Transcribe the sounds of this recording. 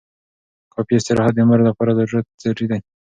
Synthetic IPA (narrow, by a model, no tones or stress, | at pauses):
kɑpiɪst̪ɪɾɑhɑd̪̚ːəmaɾlapɑɾad̪əɾuɾat̪̚zaʈid̪aj